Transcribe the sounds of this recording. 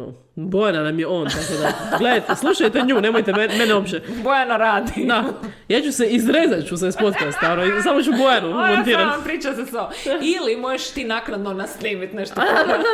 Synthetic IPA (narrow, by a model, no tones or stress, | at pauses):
o | bojnanamjeo̞ːnt̪akod̪aɡled̪ajt̪eslˠuʃajt̪eɲuːne̞mojt̪ɛmmenɛopt͡ʃebojanoɾaːd̪id̪a | jaːt͡ɕuseizɾezat̪t͡ʃusaspo̞t̪kast̪aɾoisamot͡ʃubojanokoment̪iːɾat̪npɾiːt͡ʃaseso | ilimojeʃt̪iːnaknad̪nonasliːmit̪neʃt̪o